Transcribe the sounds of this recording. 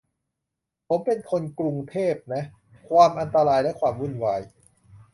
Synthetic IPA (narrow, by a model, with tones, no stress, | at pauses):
pʰo˩˦mpe˧nkʰo˧nkɾu˧ŋt̪ʰeː˥˩p̚na˦˥ | kʰwaː˧mʔa˧nt̪a˧ɾaː˧jlɛ˦˥kʰwaː˧mwu˥˩nwaː˧j